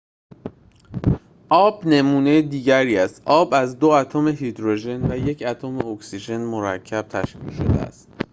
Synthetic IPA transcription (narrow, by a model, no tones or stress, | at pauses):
ʔɒːbne̞muːne̞jed̪iːɟæɾiːæst̪ʔɒːbæzd̪o̞æt̪ʰome̞ɦid̪ɾoʒe̞nvæje̞cʰæt̪ʰome̞oksiʒe̞nmo̞ɾæ̰cʰːæb̥̚t̪ʰæʃvḭːcʃo̞̰d̪ḛæ̰st̪